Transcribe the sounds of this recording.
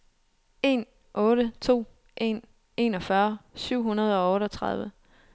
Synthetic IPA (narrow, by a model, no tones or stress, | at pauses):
e̝n | ʔɔ̽ːɾət͡sʰo̝̰ː | ʔe̝̰n | e̝nɒ̽fɶɐsyʊ̰ɦunɐð̞ˠɒ̽ɔ̽ːɾɒ̽t͡sʰʁɑ̈ðˠʋə